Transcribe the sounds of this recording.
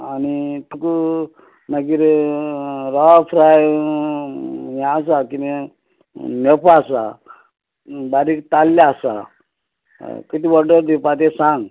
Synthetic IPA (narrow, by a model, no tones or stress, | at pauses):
anit̪uku | nəɡiɾ | ɾafʰɾaj | jãs̬akini | nepaasa | baɾikt̪alːaasa̰ | kit̪ibɔɖəɾd̪ipat̪̬esãŋɡ